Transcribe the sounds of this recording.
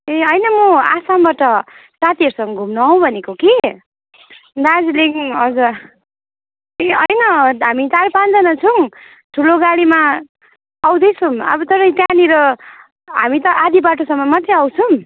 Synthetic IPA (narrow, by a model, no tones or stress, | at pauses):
eʌjnʌmʌasambaʈʌsat̪iʌɾsʌŋɡʌɡʱumnʌʌw̃bʱʌnekoki | d̪ad͡zliŋʌd͡zu | eʌjnʌɦamit̪aɾpand̪ʌnʌt͡sʰʌŋ | ʈʰuloɡaɽima | aw̃d̪ʌjt͡sʰumʌ̰bʌt̪ʌɾʌjt̪janiɾʌ | ɦamit̪ʌʔad̪ibaʈosʌmːʌmʌt̪ːeʌwt͡sʰum